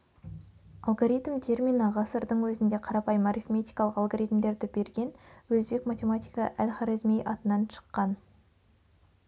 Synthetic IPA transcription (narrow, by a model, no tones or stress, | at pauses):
ɑlˠɡoɾit̪mt̪ʰe̞rmʲinɑʁɑsəɾd̪əɴwɵzɪnd̪eqʰɑɾɑpɑjəmaɾifmʲet̪ijkɑlˠəqɑlˠɡoɾijt̪md̪e̞ɾd̪ɪbe̞ɾɡʲe̞nwɵzbe̞kmat̪ʲe̞mat̪ʲijkɑʔælʲχaɾizmejʔɑt̪ənɑnʃə̥qːɑn